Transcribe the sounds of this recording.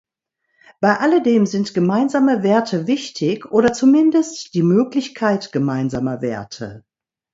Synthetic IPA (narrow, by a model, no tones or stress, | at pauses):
b̥aɪʔalədeːmzɪntɡ̥əmaɪnzaːməveːɐtʰəvɪçtʰɪçʔoːɾɐt͡sumɪndəstd̥iːmøːklɪçkʰaɪtɡ̥əmaɪnzaːmɐveːɐtʰə̰